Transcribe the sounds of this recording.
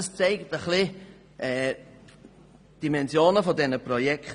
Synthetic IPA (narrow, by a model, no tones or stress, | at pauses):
st͡seɪktəχlɪ | ɛː | d̥imɛnsjoːnəfɔdɛnəprɔjɛk